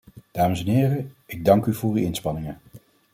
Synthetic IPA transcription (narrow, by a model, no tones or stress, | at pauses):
d̥aːməsɛnɦɪːrəɪɡ̚dɑŋkyvʊːryɪnspɑnɪŋə